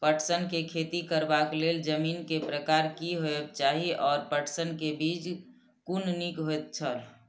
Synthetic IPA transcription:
pəʈsənkekʰeːt̪ikəɾbakleːld͡ʒəmiːnkepɾəkaːɾkiɦoebt͡ʃaːɦiʔɔːɾpəʈʰsənkebiːd͡ʒ | kunnikɦoet̪̚t͡ʃʰəl

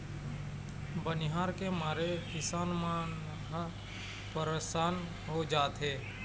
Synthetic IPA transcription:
bənɪɦaːɾkemaːɾekɪsaːnmaːn | ɦ | pəɾesaːn | ɦod͡ʒaːt̪ɦeː

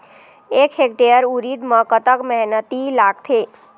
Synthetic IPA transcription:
ekɦek̚ʈejəɾuɾid̪mə̃kət̪əkmɛɦnət̪ilak̚t̪ʰe

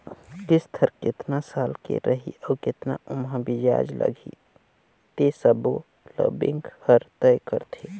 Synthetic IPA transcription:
kɪst̪ʰəɾkɪt̪nasalkḛɾʔəɦḭɔːkɪt̪na̰ʊmɦə̃bid͡ʒa̰d͡ʒlʔə̰ɡʱi | t̪esəbo | lə̰bḭŋɡhəɾt̪əjkəɾt̪ʰe

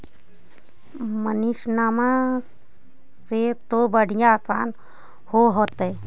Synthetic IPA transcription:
məniʃnaːma | set̪obəɽ̤ijãaːsaːn | hoːɦoːt̪e

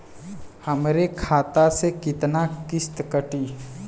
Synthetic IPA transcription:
həmɾekʰaːt̪asekɪt̪nakɪst̪kəʈiː

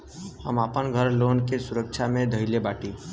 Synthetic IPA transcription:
həmapənɡʱəɾloːnkesʊɾək̚t͡ʃʰamẽd̪ʱəɪlebaːʈi

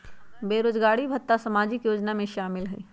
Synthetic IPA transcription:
beːɾoːd͡ʒɡaːɽibʱɐt̪ːasɐmaːd͡ʒɪkjoːd͡ʒnamẽʃaːmɪlɦɛ̰ː

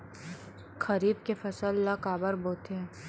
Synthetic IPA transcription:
kɐɾiːbkefɐsəlːɐkaːbəɾboːt̪e

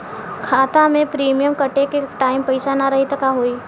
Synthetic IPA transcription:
kʰaːt̪amẽpɾiːmijəmkɐʈekeʈaːɪmpɐɪsanaɾɐɦit̪ɐkaɦoːiː

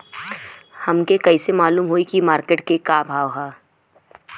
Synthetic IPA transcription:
hɐmkekɐisemaːluːmɦoːikimaːɾkeːʈkekaːbʱaːwɦaː

